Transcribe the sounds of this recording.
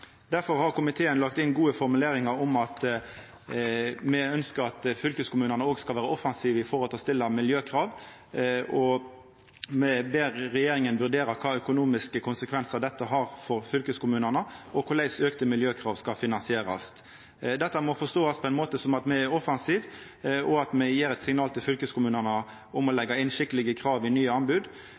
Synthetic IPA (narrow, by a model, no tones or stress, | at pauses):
d̪̥æɾfɔɾhɑʁkʊmɪt̪ʰeːənlɑkt̪ɪnɡuːəfɔɾmʉleːɾɪŋɑɾɔmɑt̪ | mɛœnskəɾɑt̪fʏlkəskʊmʉːnənəoːɡskɑlʋæːɾəɔfɑnsiːʋəɪfɔɾʁɔlt̪lst̪ɪlːəmɪljøːkʰɾɑːʋ | ʔɔ | mɛbeːʁːɛjeːɾɪŋənʋʉʁd̪eːɾɑkʰɑːœkʊnuːmɪskəkʰʊnsəkʰʋɛnsəʁd̪ɛt̪ːəɦɑʁfɔɾfʏlkəskʰʊmʉːnənəɔkʰʊlæɪsøːkt̪əmɪljøːkʰʁɑːʋskɑfɪnɑnsɪeːɾɑ̰s | d̪ɛt̪ːəmɔfɔst̪oːɑspʰɔɛɪnmoːt̪əsɔmɑt̪mɛɛɾɔfɑnsiːʋ | ʔɔɑt̪mɛjeːɾɛt̪sɪŋnɑːlt̪ʰɪlfʏlkəskʰʊmʉːnənə | ʊmɔlɛɡːɑɪnʃɪkt̪əlɪɡəkʰʁɑːʋɪnyːəɑnbʉːd̪